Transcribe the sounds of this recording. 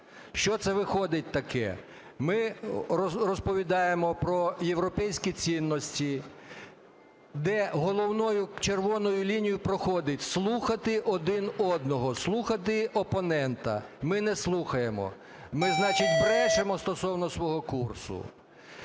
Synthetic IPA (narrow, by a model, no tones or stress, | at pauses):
ʃt͡ʃɔt̪sɛʋɪxɔd̪ɪt̚ʲt̪ɐkɛ̰ | mɪ | rɔspɔʋʲid̪ɑjemɔpɾɔjewɾɔpɛjsʲkʲit͡sʲinːɔsʲtʲi | d̪ɛɦɔlˠɔwnɔjʊt͡ʃerʋɔnɔjʊlʲinʲijʊpɾɔxɔd̪ɪtʲslˠuxɐt̪ɪʔɔd̪ɪnɔd̪nɔɦɔslˠuxɐt̪ɪɔpɔnɛnt̪ɐ̰mɪnɛslˠuxɐjemɔ̰ | mɪznɑt͡ʃɪtʲbɾɛʃemɔst̪ɔsɔwnɔsʋɔɦɔkursʊ̰